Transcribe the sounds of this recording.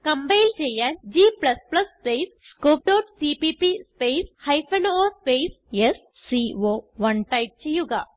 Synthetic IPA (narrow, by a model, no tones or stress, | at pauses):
kɐmbɐɪlt͡ʃɛjːaːnd͡ʒiːplɐsplɐsːpeːs | koːp̚ʈoːʈsipipispeːshɐɪfɐnoːspeːs | esːioːʋɐnʈɐɪp̚t͡ʃejuɡaː